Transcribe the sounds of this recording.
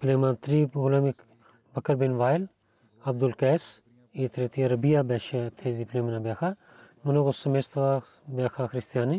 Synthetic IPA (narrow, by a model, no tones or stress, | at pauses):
pleːmãnt̪ɾiːpɡʊlɐmik | bɐkəɾbɪnʋaːɪl | ɐb̚d̪ulkɛːs | eːt̪ɾet̪ʰijaɾɐbijaːbɛːʃat̪ʰeːziːpleːmɐnaːbeːxʰaː | mɐnokosɐmest̪ʋaː | beːkʰaːxɪɾɪst̪ijaːni